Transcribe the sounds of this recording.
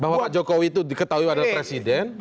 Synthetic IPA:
baɦwapad͡ʒokowit̪udikət̪aɦuiadalahpɾesidɛn

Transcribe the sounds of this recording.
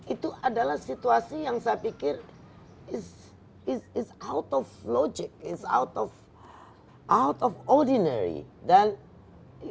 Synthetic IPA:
it̪uʔadalahsit̪uasijaŋsajapikɪr | ɪs | ɪsɪsawt̪ɔflɔd͡ʒɪk̚ɪsa̰wt̪ɔf | ʔawt̪ɔfɔrdinɛ̰ɾḭdan

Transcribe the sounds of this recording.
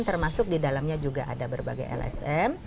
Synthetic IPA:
nt̪ərmasʊk̚didalamɲad͡ʒuɡaʔadabərba̰ɡa̰jɛ̰lɛ̰sɛm

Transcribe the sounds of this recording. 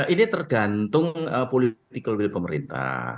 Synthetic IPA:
ʔinit̪ərɡ̥ant̪ʊŋəpolit̪ikolɡipəməɾḭnt̪a̰

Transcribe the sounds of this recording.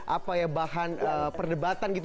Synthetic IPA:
ʔapajabahanəpərdəbat̪anɡit̪

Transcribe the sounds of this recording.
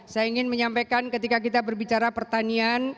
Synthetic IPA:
sajaiŋɪnməɲampakankət̪ikak̬it̪abərbit͡ʃaɾapərt̪anian

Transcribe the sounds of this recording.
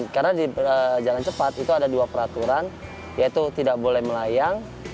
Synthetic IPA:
karnadiəd͡ʒalant͡ʃəpat̪it̪uadaduapəɾat̪uɾan | jait̪ut̪idaʔbolɛhməlajaŋ

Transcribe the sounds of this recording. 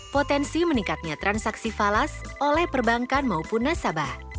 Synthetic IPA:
pot̪ɛnsimənikat̪̚ɲat̪ɾʔansaksifalasʔolɛhpərbaŋkanmaupunːasabah

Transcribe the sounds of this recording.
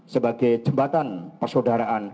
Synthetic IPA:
səbaɡajd͡ʒəmbat̪anpərsodaɾaʔan

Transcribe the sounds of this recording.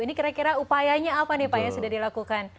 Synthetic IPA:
inikiɾakiɾaupajaɲaːpanipajasudahdilakukan

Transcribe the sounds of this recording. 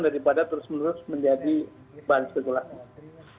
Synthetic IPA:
daɾipadat̪əɾʊsmənuɾʊsməɲd͡ʒadi | banskət̪ula

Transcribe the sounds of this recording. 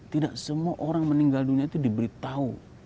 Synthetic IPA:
t̪idaʔsəmuaʔoɾaŋməniŋɡalduniait̪udibəɾit̪au

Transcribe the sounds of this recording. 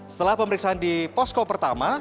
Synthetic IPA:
sə̥t̪əlahpəməɾiksaandipɔskopərt̪ama

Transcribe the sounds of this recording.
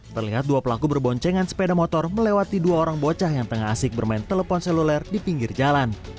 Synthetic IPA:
t̪ərliɦat̪̚duapəlakubərbɔɲt͡ʃɛŋansə̥pedamɔt̪ɔrməlewat̪iduaoɾaŋbot͡ʃahjaŋt̪əŋaɦasɪk̚bərmaɪnt̪ələfɔnsɛlulɛrdipiŋɡɪrd͡ʒalan

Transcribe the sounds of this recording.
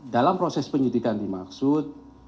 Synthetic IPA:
dalampɾosɛspəɲidikandimaksʊt̪̚

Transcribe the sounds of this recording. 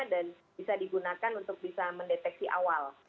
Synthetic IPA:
dan | bisadiɡunakanunt̪ʊk̚bisaməndet̪ɛk̚siʔa̰wal

